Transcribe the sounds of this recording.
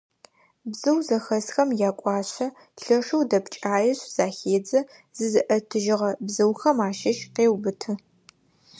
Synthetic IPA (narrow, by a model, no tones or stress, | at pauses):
bzɨwzɐxɐsxɐmjaːkʷʼɑːɕɐ | ɬɐʂɐwdɐpt͡ʃʼaːjɛɕz̥aːxeːd͡zɐ | z̥ɨzɨʔɐtʰɨʒɪʁɐbzɨwxɐmaːʃɐʃqeːwbɨtʰɨ